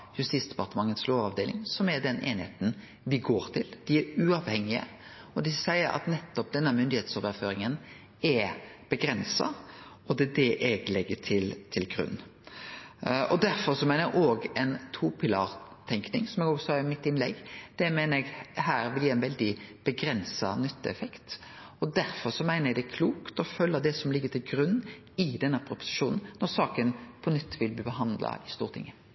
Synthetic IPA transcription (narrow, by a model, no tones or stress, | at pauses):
jʉst̪iːsd̪̥ɛ̥pɑɾt̪əmɑŋːət̪sloːʋɑʋd̪eːlɪ̰ŋsɔmɛɖ̪ɛnʔḛːnɪhḛːt̪n | ʋɪɡoːɾt̪ʰɪld̪̥ɪɛɾʉɑʋhɛŋːɪə̰ | ɔd̪ɪsæɪəɾɑ̰t̪nɛt̪ːɔp̚d̪ɛnːəmʏnd̪ɪheːt̪soːʋəɾføːɾɪŋən | ɛb̥əɡɾɛnsɑ̰ | ɔd̪ɛd̪ɛʔɛɡlɛɡːət̪ʰɪlt̪ʰɪlɡɾʉ̰nː | ʔɔd̪æɾfɔɾsɔmeːnəʔoːɡɛnt̪ʰupʰɪlɑ̰ːɾt̪ʰɛŋknɪŋsɔmɛɡoːɡsɔɑɪmɪt̪ːɪnlɛ̰ɡːd̪̥ɛmæɪnəɾɛɡhæːɾʋɪljæːɛnʋɛld̪ɪb̥əɡɾɛnsɑ̰nʏt̪ːəɛfɛkt̪ɔd̪æɾfɔɾsɔmæɪnəjɛɡd̪ɛkʰluːkt̪ɔfœlːɑd̪ɛsɔmlɪɡːət̪ʰɪlɡɾʉnː | ɪd̪ɛnːəpʰɾʊpʊ̥sɪ̥ʂuːnn̩nːɔɾsɑːkənpʰɔnʏt̪ːʋɪlbliːbəɦɑnd̪lɑ̰ɪst̪uːɾt̪ʰɪ̰ŋːə